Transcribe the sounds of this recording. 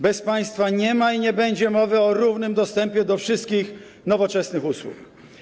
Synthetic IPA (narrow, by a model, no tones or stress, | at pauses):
bɛspaj̃st̪faɲɛmaiɲɛbɛɲd͡ʑɛmɔvɘɔɾuvnɘmd̪ɔst̪ɛmpʲjɛd̪ɔfʂɘst̪kʲix | nɔvɔt͡ʂɛsnɘxuswṵk